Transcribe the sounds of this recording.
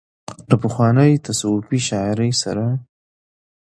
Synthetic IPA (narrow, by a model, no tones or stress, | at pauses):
ləpəxwɑnəjt̪ʰasawʊpiʃɑɪɾəjsa̰ɾa